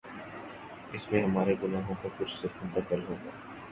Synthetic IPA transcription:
ɪsmẽɦɐmaːɾeɡʊnaːɦõkakʊt͡ʃʰsɪɾʊnt̪akɐlɦoːɡaː

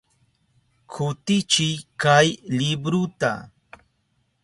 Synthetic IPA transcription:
kʰʊt̪ɪt͡ʃɪjkajlɪbɾʊt̪a̰

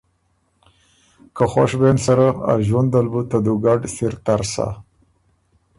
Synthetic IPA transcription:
kəxoʃbensaɾaa̰ʒwand̪albut̪ad̪uɡaɖsiɾt̪aɾsa̰

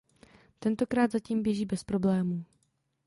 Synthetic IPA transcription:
t̪ɛnt̪o̞kɾaːd̪zaciːmbjɛʒiːbɛspɾo̞blɛːmuː

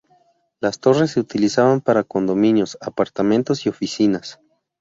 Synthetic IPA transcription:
last̪o̞re̞sːeut̪ilisaβampaɾako̞nd̪o̞mĩnjo̞sapaɾt̪amẽ̞nt̪o̞sio̞fisinas

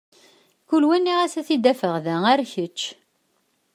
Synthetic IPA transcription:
çulwænːiʁæsæθid̪æfəʁðææɾçət͡ʃː

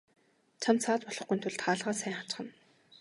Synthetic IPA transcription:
t͡ɕʰamt͡sʰaːt̪pɔɮɞ̆χɡujnt̪ʰʊɮt̪χaːɮʁaːsæːŋχat͡ɕ̆χə̆n

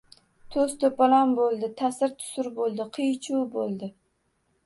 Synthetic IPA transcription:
t̪ʰɵst̪ʰopalanbolˠd̪ɪt̪ʰasɪɾt̪ʰʊ̥sʊɾbolˠd̪ɪqʰɨjt͡ʃʰubolˠd̪ɪ

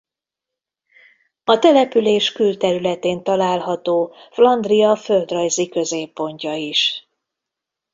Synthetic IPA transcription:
ɒt̪ɛlɛpyleːʃkylt̪ɛɾylɛt̪eːnt̪ɒlaːlɦɒt̪oːflɒnd̪rijɒfø̞ld̪rɒjzikø̞zeːpːo̞ɲcɒiʃ

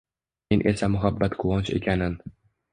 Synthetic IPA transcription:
enʔe̞samʊɦabːat̪qʰʊwɒnt͡ʃe̞̰kʲʰanɪn

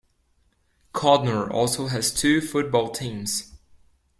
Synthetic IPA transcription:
kʰɑdⁿnə˞ʔɔ̰lˠsoʊɨz̥tʰʉːfʊt̚b̥ɔlˠtʰĩːms

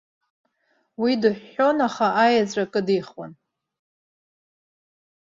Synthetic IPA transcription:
widɨħːo̞naχaʔajat͡sʷʼakʼɨdijχwa̰n

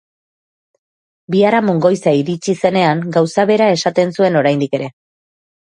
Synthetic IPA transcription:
biaɾamuŋɡo̞jsaiɾit͡ʃise̞ne̞aŋɡawsaβe̞ɾae̞sat̪e̞nsue̞no̞ɾajnd̪ike̞ɾe̞

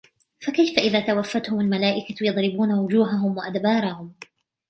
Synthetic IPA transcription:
fakajfaʔɪðaːt̪awafːat̪hʊmalmalaːʔɪkajɑðˤɾɪbuːnawʊd͡ʒuːɦaɦʊmwaʔad̪bɑːɾˤahʊm

